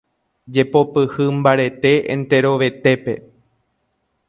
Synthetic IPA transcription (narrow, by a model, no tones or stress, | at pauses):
d͡ʒe̞po̞pɨhɨmbaɾe̞t̪e̞ḛ̃nt̪e̞ɾo̞ʋe̞t̪e̞pe̞̰